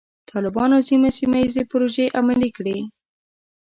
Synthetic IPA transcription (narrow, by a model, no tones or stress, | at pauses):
t̪ʰɑlɪbɑnozimasimajizepʊɾoʒeʔamalikɽe